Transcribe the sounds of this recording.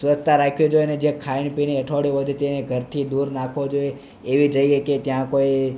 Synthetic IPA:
sʋət͡ʃt̪aɾakʰjod͡ʒojəned͡ʒekʰaiɳpineəʈʰoɽjoʋəd̪ʱet̪eneɡʱəɾt̪ʰid̪uɾnakʰʋod͡ʒoe | eʋid͡ʒəieket̪jãkoi

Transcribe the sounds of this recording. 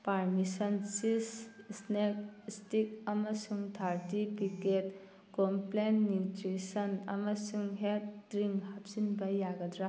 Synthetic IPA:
paɾmisɐnsissnek̚stik̚ɐmɐsuŋt̪ʰaɾtipiket̚ | komplenːutɾisɐnɐ̰mɐsuŋɦet̚ɾiŋhap̚sinbɐjaɡɐdɾa

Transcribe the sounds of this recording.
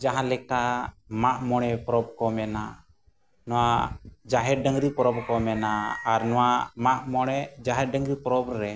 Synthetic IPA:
d͡ʒaɦãlɛka | maʔmɔɽ̃ɛpɾɔb̚kɔmɛna | nɔwad͡ʒaɦɛɾɖəŋɾipɾɔb̚kɔmɛnaːɾnɔwamaʔmɔɽ̃ɛd͡ʒaɦɛɖəŋɡɾipɾɔbɾɛ

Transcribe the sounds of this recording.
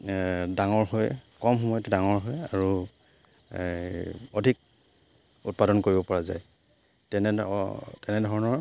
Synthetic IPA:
daŋɔɹɦojkɔmxɔmɔjɔtɛdaŋɔɹɦojaɹu | odʱik̚ | ut̚padɔnkoɹibɔpɔɹaza̰j | tɛnɛtɛnɛdʱɔɹɔnɔɹ

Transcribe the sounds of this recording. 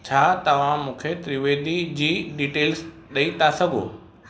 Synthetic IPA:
t͡ɕʰaːt̪ɐʋ̤ãmũːkʰet̪ɾiʋeːd̪id͡ʑiːɖiːʈeːls | ɗɐit̪ʰasɐɡʱo̰ː

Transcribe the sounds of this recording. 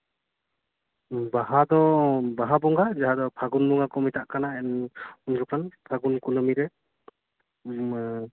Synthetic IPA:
bahad̪ɔbaɦabɔŋɡad͡ʒaɦad̪ɔpʰaɡunduŋakʰɔmit̪ʰaʔkanaɛnunɾukanpʰaɡunkunɔmiɾɛ

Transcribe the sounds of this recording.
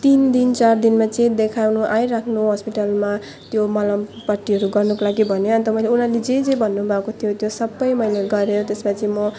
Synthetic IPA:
t̪ind̪int͡sard̪inmat͡sẽd̪ekʰawnuʔaiɾakʰnuɦʌspiʈʌlma | t̪jomʌlʌmpʌʈːiʌɾuɡʌrnukolaɡibʱʌnjoʌnt̪ʌmʌjleunaled͡zed͡zʌ̃bʱʌnːubʱakot̪ʰijot̪josʌbːʌjmʌjnaɡʌɾʌjot̪esmat͡simʌ

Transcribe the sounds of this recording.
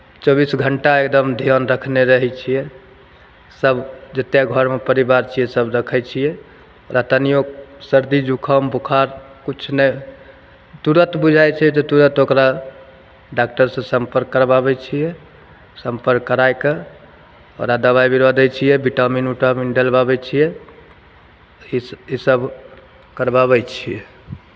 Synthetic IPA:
t͡ʃɔbisɡʱəɳʈaekd̪əmd̪ʱijənɾəkʰneɾəɦɛt͡ʃʰijɛ | səbd͡ʒət̪jeɡʱəɾmepəɾibaɾt͡ʃʰijɛsəbɾəkʰɛt͡ʃʰijɛ | oɾat̪ənijoksəɾd̪id͡ʒukʰəmbukʰaɾkut͡ʃʰne | t̪uɾət̪bud͡ʒʱajt͡ʃʰɛt̪ɔt̪uɾət̪okɾa | ɖak̚ʈəɾsẽsəmpəɾkːəɾbabɛt͡ʃʰijɛ | səmpəɾkːəɾajke | ɔ̰ɾad̪əβajbiɾod̪ɛt͡ʃʰijɛbiʈaminuʈaminɖelbabɛt͡ʃʰijɛ | iisəbʱ | kəɾbaβɛt͡ʃʰijɛ̰

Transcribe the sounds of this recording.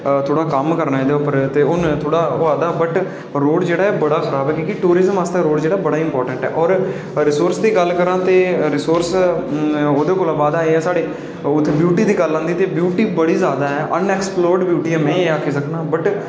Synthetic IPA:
t̪ʰoːɽaːkəmkəɾnaːed̪eʊpəɾt̪eːʊnt̪ʰoːɽaːoaːd̪aːbəʈ | ɾoːɽd͡ʒeːɽaːɛːbəɽaːxʰəɾaːbɛːkjõːkɪʈuːɾɪzəmast̪eːɾoːɽd͡ʒeːɽaːbəɽaːɪmpɔːɾʈəɳʈɛ̰ːʔɔːɾ | ɾɪsoːɾsd̪iːɡəlkəɾãːt̪eːɾɪsoːɾs | oːd̪eːkoːlãːbaːd̪aːeːɛːsaːɽeː | ʊt̪ʰːebjuːʈiːd̪iːɡəlãːnd̪iːt̪eːbjuːʈiːbəɽiːzjaːd̪aːɛːʔənɛːksploːɾɖbjuːʈiːɛːmɛ̃ːaːkʰːeːsəkʰnaːbəʈ

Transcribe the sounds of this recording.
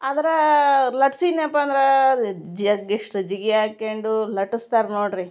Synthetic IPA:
ɐd̪ɐɾɐlɐʈsinapːɐnd̪ɾɐd͡ʒɐɡeʂʈɾɐd͡ʒiɡiaːkeɳɖulɐʈist̪aːɾnoːɖɾi

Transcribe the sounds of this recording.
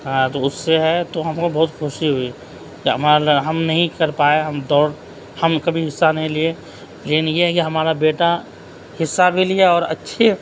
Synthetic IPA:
ɦãt̪oʊsːeɦɛt̪oɦɐmkobɐɦʊt̪kʰʊʃiɦoi | kiɦɐmaɾɦɐmnɐɦĩkɐɾpaːeɦɐmd̪ɔːɾ | hɐmkɐbʱiɦɪsːanɐɦĩlie | lekɪnjeɦɛkiɦɐmaːɾabeːʈa | hɪsːabʱilieɔːɾɐ̰tːʃʰe

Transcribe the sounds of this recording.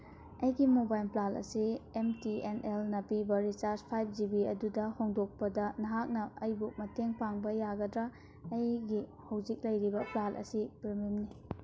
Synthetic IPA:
ɐjɡimobajlplalɐ̰siemtienelnɐpibɐɾisaɾspʰajb̚d͡ʒibiɐdudɐhoŋdok̚pɐdɐnɐɦak̚nɐɐjbumɐteŋpaŋbɐjaɡɐdɾɐː | jɡi | hɐwd͡ʒik̚lɐjɾibɐplalʔɐ̰sipɾimimni

